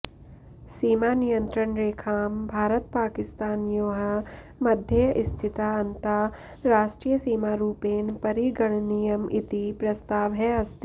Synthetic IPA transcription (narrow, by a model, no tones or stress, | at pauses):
siːmaːnijənt̪ɾəɳɾeːkʰaːmbʱaːɾət̪paːkɪst̪aːnjoːɦɐ | mɐd̪ʱjəʔɪst̪ʰɪt̪aːɐnt̪a | ɾaːʃʈɾiːjəsiːmaːɾuːpeːnpɐɾiɡɐɳnijɐmit̪ipɾɐst̪aːʋɦɛɐst̪i